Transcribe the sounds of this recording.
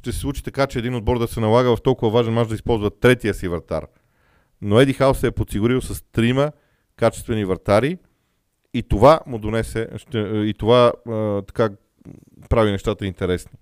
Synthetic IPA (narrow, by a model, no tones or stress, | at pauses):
ʃt̪ɛsɛ̥slˠut͡ʃi̥t̪ɐkat͡ʃɛːd̪inod̪bɔɾd̪ɐsɛnɐlˠaɡəvɐft̪ɔlˠkʊvɐvaʒɛnmat͡ʃd̪ɐispɔlˠzvət̪ːɾɛt̪iəsivɐɾt̪a̰ɾ | noɛd̪ixaosɛɛpot̪siɡʊɾilˠsɐst̪ɾimə | kat͡ʃɛ̥st̪vɛnivɐɾt̪aɾi | it̪ovamʊd̪onɛsɛʃt̪ɛit̪ovat̪ɐ̥ka | pɾavinɛʃt̪at̪əint̪ɛɾɛsni̥